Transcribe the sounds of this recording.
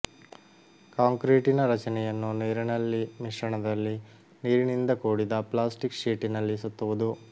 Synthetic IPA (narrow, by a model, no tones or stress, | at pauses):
kaːŋkɾiːʈinɐɾɐt͡ʃɐnɛjɐnːuneːɾɐnɐlːimiʂɐɳɐd̪ɐlːi | niːɾinind̪ɐkoːɽid̪ɐplaːsʈikʂiːʈinɐlːisut̪ːɐʋud̪u